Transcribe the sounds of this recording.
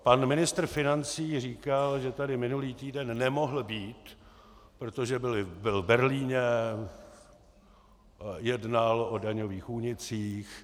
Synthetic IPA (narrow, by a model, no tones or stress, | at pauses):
panmɪnɪst̪rfɪnant͡siːr̝iːkalʒɛt̪adɪmɪnuliːt̪iːdɛnːɛmoɦl̩biːt̪ | pɾot̪oʒɛbɪlɪbɪlbɛɾliːɲɛ | jɛdnalodaɲoviːxuːɲɪt͡siːx